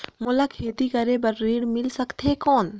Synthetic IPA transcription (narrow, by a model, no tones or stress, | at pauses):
molakʰeːt̪ikɐɾebɐɾːiːɽmɪlsɐkt̪ɦekɔːn